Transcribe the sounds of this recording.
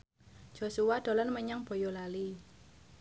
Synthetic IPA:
d͡ʒ̥o̤suwad̪̥ɔ̤lɔnməɲaŋb̥o̤jɔlali

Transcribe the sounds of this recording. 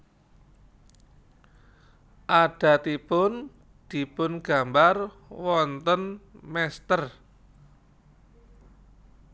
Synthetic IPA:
ʔaɖ̥a̤t̪ipʊn | d̪̥i̤pʊnɡ̥a̤mbarwɔnt̪ənmɛst̪ər

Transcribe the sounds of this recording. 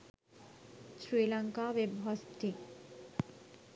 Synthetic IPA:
sɾiːlaŋkaʋebɦɔst̪i

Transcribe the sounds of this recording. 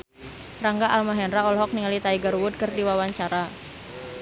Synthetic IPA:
raŋɡaʔalmaɦɛnɾaɔlɔɦɔk̚niŋalit̪aiɡaɾuwʊd̪̚kərdiwawaɲt͡ʃaɾa

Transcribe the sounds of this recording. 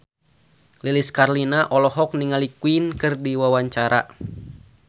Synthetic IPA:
liliskarlinaʔɔlɔɦɔk̚niŋalikuinkɨrdiwawaɲt͡ʃaɾʔa̰

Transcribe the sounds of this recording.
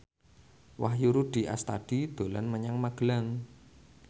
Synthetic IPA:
wahjuɾuɖ̥i̤ʔa̰st̪aɖ̥i̤d̪̥o̤lanməɲaŋmaɡ̥əlaŋ

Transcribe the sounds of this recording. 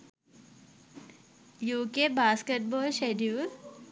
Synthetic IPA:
juːkebaːskeʈ̚bɔːlʃeɖuːl

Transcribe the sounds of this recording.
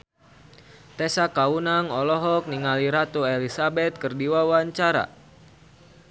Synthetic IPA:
t̪ɛsakaunaŋɔlɔɦɔk̚niŋaliɾat̪uelisabɛt̪̚kɨrdiwawaɲt͡ʃaɾa̰

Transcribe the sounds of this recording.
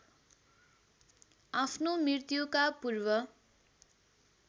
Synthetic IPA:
apʰnomirt̪jukapurwʌ

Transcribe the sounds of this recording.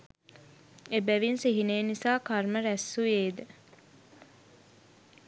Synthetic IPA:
ebæʋinsiɦineːnisaːkarməɾæsːujeːd̪e

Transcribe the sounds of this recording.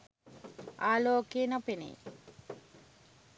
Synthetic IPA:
aːloːkeːnɐpenḛj

